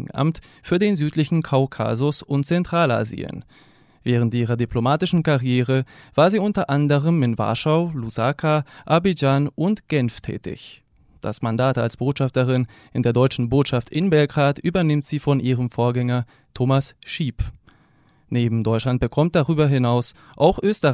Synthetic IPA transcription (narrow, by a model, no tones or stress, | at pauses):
ŋ̩ʔa̰mtfyːɐdeːnzyːtlɪçn̩kʰaʊkʰa̰zʊsʊnt̚t͡sɛntʁ̥aːla̰ːzḭə̰n | vɛːʁ̞əntʔiːʁɐdiplomaːtɪʃn̩kaʁjeːʁ̞əv̥aːɐziːʊntɐʔandəʁəmɪnva̰ɐʃaʊluzakʰaʔaɐbid͡ʒaːnʊntɡ̥ɛnftʰɛ̰ːtɪ̰ç | d̥a̰smandaːtalsb̥oːtʃaftəʁ̞ɪn | ʔɪndeːɐdɔʏt͡ʃn̩boːtʃaftʔɪnbɛlɡʁaːtyːbɐnɪmtz̥iːfɔnʔiːʁəmfoːɐɡɛŋɐ | tʰoːmasʃiːp | neːbm̩dɔʏtʃlant̚b̥əkʰɔmt̚d̥aʁyːbɐɦɪnaʊs | ʔaʊxʔøːstəʁ